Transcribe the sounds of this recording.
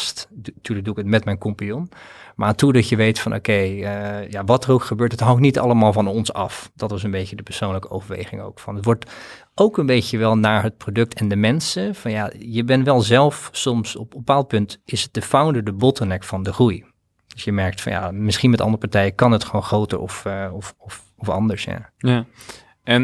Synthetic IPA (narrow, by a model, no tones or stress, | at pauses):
sttyːɹləɡduɪkətmɛtmɛjnkɔmpijɔnmaːɹtudɑtjəʋejtfɑnʔo̰kejəjaʋɑtərowkχəbøːɹtɦətɦɑŋktnitɑ̰ləmaːlˠvɑnɔnsɑ̰fd̥ɑtʋɑs̬ənbejcədəpəɹsownləkəo̰wvəɹʋḛjχɪŋo̰wkfɑnətʋɔɹt | owkənbejcəʋɛlˠnaːɹɦət̚prodɵk̚tʰɛndəmɛnsəv̥ɑnjajəbɛnʋɛlˠzɛlˠfsɔmsɔpbəpaːlˠt̚pɵntɪsət̚d̥əfawndədəbɔtənɛkfɑndəχruj | d̥øsjəmɛɹk̚tfɑ̰nja̰mɪsχinmɛtɑ̰ndərəpɑɹtɛjəkɑnɦətχʋownχrowtə̰ɹɔ̰fɔfɔf | ɔfɑ̰ndəɹsja̰ | ɛn